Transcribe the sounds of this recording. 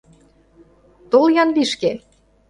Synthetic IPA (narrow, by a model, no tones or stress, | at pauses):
t̪oljɑnβiʃke